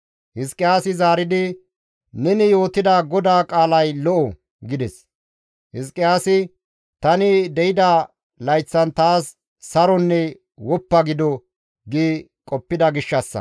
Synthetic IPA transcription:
hɪskʼːɪjaːsɪzaːɾɪd̪ɪ | nɛnɪjo̞ːt̪ɪd̪aɡɔd̪aːkʼaːlɐjlɔʔɔ | ɡɪd̪ɛs | hɪs̬kʼːɪjaːsɪ | t̪ɐnɪd̪ɛjɪd̪a | lɐjt͡sːɐnt̪aːsː | ɐɾɔnːɛ | wɔpːɐɡɪd̪ɔ | ɡiː | kʼɔpːɪd̪ɐɡɪʃːɐsːɐ̰

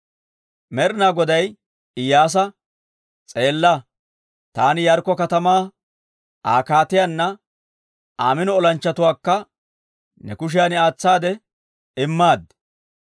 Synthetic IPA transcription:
mɛɾɪnaːɡɔd̪ɐj | ɪjːaːs̬ɐ | t͡sʼe̞ːlːɐ | t̪aːnɪjɐɾkːɔkɐt̪ɐmaː | aːkaːt̪ɪjanːɐ | tʔaːmɪnɔɔlɐnt͡ʃːɐt̪ʊwaːkːɐ | nɛkʊʃ̬ɪjaːnɪaːt͡sːaːd̪ɛ | ɪmːaːd̪

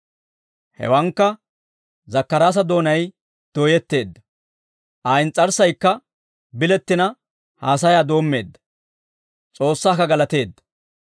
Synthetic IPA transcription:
hɛ̰wɐŋkːɐ | zɐkːɐɾaːs̬ɐd̪o̞ːnɐj | d̪̥oːjɛt̪ːe̞ːd̪ːɐ̥ | ʔɐjnt͡sʼɐɾsɐjkːɐ | bɪlɛt̪ːɪnɐ | haːs̬ɐjaːd̪o̞ːmːe̞ːd̪ːɐ̥ | t͡sʼo̞ːsːaːkɐɡɐlɐt̪e̞ːd̪ːɐ̥

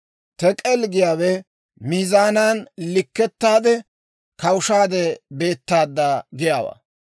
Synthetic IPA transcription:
t̪ɛkʼɛlɡɪjaːwɛ | mizaːnaːnlɪkːɛt̪ːaːd̪ɛ | kɐwʊʃaːd̪ɛbe̞ːt̪ːaːd̪ːaːɡɪjaːwa̰ː

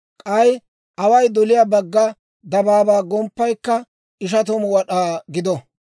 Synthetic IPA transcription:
kʼɐj | ʔɐwɐjd̪ɔlɪjaːbɐɡːɐ | d̪ɐbaːbaːɡɔmpːɐjkːɐ | ɪʃ̬ɐt̪ɔmwɐɗaːɡɪd̪ɔ

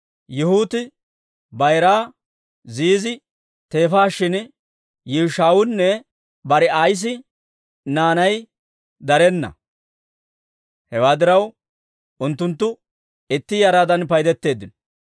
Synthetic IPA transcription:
jʊhʊːt̪ɪ | bɐjɾaː | ziːzɪ | t̪e̞ːfaːʃːɪn | jɛɾʃaːwʊnnːɛ | bɐɾɛaːjs̬ɪ | naːnɐj | d̪ɐɾɛnːɐ̰ | hɛwaːd̪ɪɾɐw | ʊnt̪ːʊnt̪ːʊ | ɪt̪ːɪjɐɾaːd̪ɐnpɐjd̪ɛt̪ːe̞ːd̪ːɪnɔ

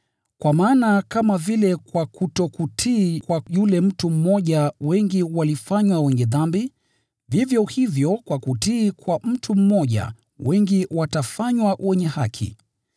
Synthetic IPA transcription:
kwamaːnakamavilɛkwakutɔkutʰikwajulɛm̩tum̩mɔʄawɛŋɡiwalifaɲwawɛɲɛðambi | vivjɔhivjɔkwakutiːkwam̩tʰum̩mɔʄa̰ | wɛŋɡiwatafaɲwawʔɛɲɛhakʰḭ

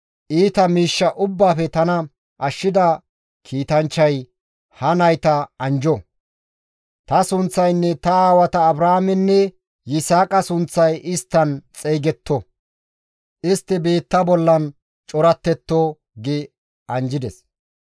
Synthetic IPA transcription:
ʔiːt̪ɐmiːʃːɐʔʊbːaːfɛt̪ɐnɐ | ʔɐʃːɪd̪ɐ | kʰiːt̪ɐnt͡ʃːɐj | hɐnɐjt̪ɐɐnd͡ʒɔ | t̪ɐsʊnt͡sːɐjnːɛt̪ɐaːwɐt̪ɐːbɾaːmɛnːɛ | jɪsaːkʼɐsʊnt͡sːɐjʔɪst̪ːɐnt͡sʼeːɡɛt̪ːɔ | ʔɪst̪ːɪbe̞ːt̪ːɐbɔlːɐn | t͡ʃʼɔɾɐt̪ːɛt̪ːoː | ɡɪ | ɐnd͡ʒɪd̪ɛs

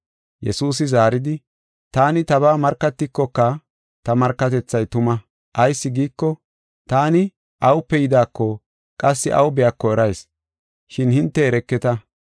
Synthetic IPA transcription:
jɛ̰suːs̬ɪzaːɾɪd̪ɪ | t̪aːnɪt̪ɐβaːmɐɾkːɐt̪ːɪkːɔkːɐ | t̪ɐmɐɾkːɐt̪̬ɛt͡sːɐjt̪ʊmɐ | ʔɐjsːɪɡiːkːɔ | t̪aːnɪ | ʔɐwʊpːɛjɪd̪aːkːɔ | kʼɐsːɪʔɐ̰wʊbɛjɐkːɔɛɾɐjs | ʃɪnhɪnt̪ːɛɛɾɛkːɛt̪ɐ

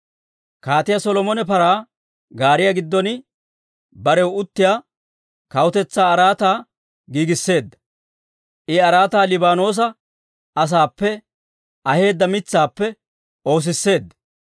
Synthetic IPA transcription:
kaːt̪ɪjasɔlɔmɔnɛpɐɾaː | ɡaːɾɪjɐɡɪd̪ːɔnɪ | bɐɾɛwʊt̪ːɪjaː | kɐwʊt̪ɛt͡sːaːɐɾaːt̪aː | ɡiːɡɪsːe̞ːd̪ːɐ | ʔɪɐɾaːt̪aːlɪbaːno̞ːs̬ɐ | ɐs̬aːpːɛ | ɐhe̞ːd̪ːɐmɪt͡sːaːpːɛ | o̞ːs̬ɪsːe̞ːd̪ːɐ

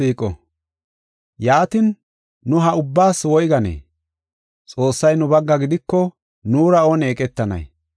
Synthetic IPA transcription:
iːkʼɔ̰ | jaːt̪ɪnː | ʊɦɐʊbːaːswɔjɡɐnḛː | t͡sʼo̞ːsːɐjnʊbɐɡːɐɡɪd̪ɪkːɔ | nuːɾɐɔneːkʼɛt̪ːɐnɐ̰j

